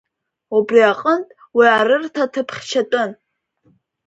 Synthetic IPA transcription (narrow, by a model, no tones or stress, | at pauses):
ubriaqʼəntʼ | wiarɨrtʰatʰɨpʰχʲt͡ʃʰatʼʊn